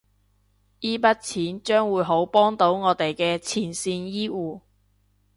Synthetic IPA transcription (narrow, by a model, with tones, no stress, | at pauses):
iː˥pɐ˥t̚t͡sʰiː˨˥nt͡ʃœː˥ŋwuː˨˧jɦo˨˥wpɔː˥ŋt̪o˨˥wŋɔː˨˧t̪e˨jkɛː˧t͡sʰiː˨˩nsiː˧njiː˥wuː˨˧